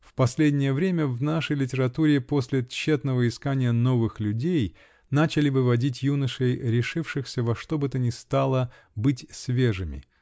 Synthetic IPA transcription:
fpɐsʲlʲedʲnʲɪjəvɾʲemʲəvnaʂəjlʲɪt̬ʲɪɾɐt̪uɾʲɪpo̞sʲlʲɪt͡ɕːet̪nəvəɪskanʲɪjəno̞vɨxlʲʉdʲej | nat͡ɕɪlʲɪvɨvɐdʲitʲjunəʂəjɾʲɪʂɨfʂɨxsʲəvɐʂt̪o̞bɨt̪ənʲɪst̪alˠə | bɨtʲsʲvʲeʐɨmʲɪ̰

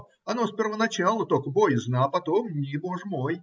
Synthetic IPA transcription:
ɐnospʲɪrvənɐt͡ɕalˠət̪okəbojɪznapɐt̪omnʲiboʐəmoj

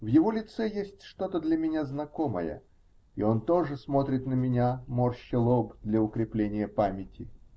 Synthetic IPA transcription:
vjɪvo̞lʲɪt̪sɛjesʲtʲʂt̪o̞t̪əd̪lʲəmʲɪnʲaznɐko̞mə̰jə̰ | ɪ̰o̞nt̪o̞ʐɨsmo̞t̪ɾʲɪt̪nəmʲɪnʲamorɕːɪlˠobd̪lʲəʊkɾʲɪplʲenʲɪjəpamʲɪtʲɪ

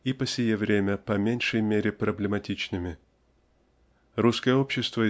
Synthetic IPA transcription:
ipəsʲɪjevɾʲemʲəpɐmʲenʲʂəjmʲeɾʲɪpɾəblʲɪmɐtʲit͡ɕnɨmʲɪ | ruskəjəopɕːɪst̪və

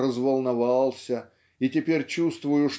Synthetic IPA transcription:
rəzvəlˠnɐvɑlˠsʲə | itʲɪpʲeɾʲt͡ɕust̪vʊjʊʂ

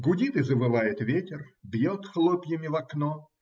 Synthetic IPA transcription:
ɡʊdʲit̪ɨzəbɨvajɪt̪vʲetʲɪrbjot̪xlˠopʲjɪmʲɪvɐkno

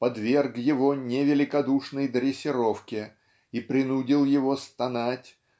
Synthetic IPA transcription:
pɐd̪vʲe̞rɡjɪvo̞nʲɪvʲɪlʲɪkɐd̪uʂnəjd̪ɾʲɪsʲɪɾo̞fkʲɪ | ipɾʲɪnudʲɪlˠjɪvo̞st̪ɐnatʲ

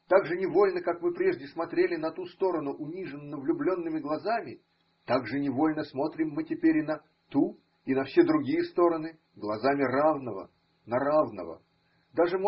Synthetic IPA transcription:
t̪aɡʐɨnʲɪvo̞lʲnəkakmɨpɾʲe̞ʐdʲɪsmɐt̪ɾʲelʲɪnɐt̪ust̪o̞ɾənʊʔʊnʲiʐɨnːəvlʲʊblʲo̞nːɨmʲɪɡlˠɐzamʲɪ | t̪aɡʐɨnʲɪvo̞lʲnəsmo̞t̪ɾʲɪmːɨtʲɪpʲeɾʲɪnɐ | t̪u | inɐfsʲe̞d̪ɾʊɡʲijəst̪o̞ɾənɨ | ɡlˠɐzamʲɪravnəvə̰ | nɐɾavnə̰və̰ | d̪aʐɨm

